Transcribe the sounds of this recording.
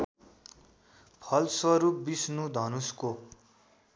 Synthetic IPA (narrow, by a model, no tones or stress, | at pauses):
pʰʌlswʌɾupbisnud̪ʱʌnusko